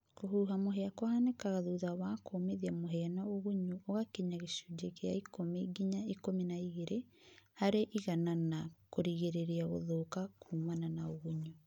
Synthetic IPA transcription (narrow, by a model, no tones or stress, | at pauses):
koɦuːɦamoɦɛakwahanekaɣaðuːðawakoːmeðiamoɦɛanaoɣuɲuoɣakeɲaɣeʃud͡ʒeɣeaikomeɡiɲaikominaiɣeɾehaɾeʔiɣananakoɾiɣeɾeɾiaɣo̰ðokakʰuːmananaoɣuɲu